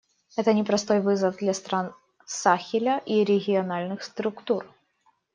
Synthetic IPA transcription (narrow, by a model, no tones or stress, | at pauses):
ɛt̪ənʲɪpɾɐst̪o̞jvɨzəvd̪lʲɐst̪ɾan | saxʲɪlʲəʔiɾʲɪɡʲɪɐnalʲnɨxst̪ɾʊkt̪ur